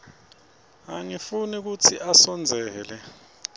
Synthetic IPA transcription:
aŋifunik̬ut͡sʰiʔasɔnd͡zʱɛːlɛ

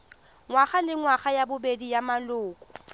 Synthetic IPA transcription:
ŋwaχalɪŋwaχajabʊbedijamalʊːkʼʊ̥

